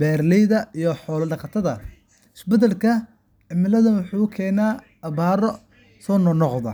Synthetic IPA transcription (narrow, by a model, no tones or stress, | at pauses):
bɛːrlɛjðɐijɔħɔːlɐɖɐqɑt̪ʰɐðɐ | ɪsbɐd̪ɛlkʰɐ | ʕɪmɪlɐðɐnwʊħuːkʰɛːnaː | ɐβaːɾɔ | sɔːnɔnɔqðɐ̰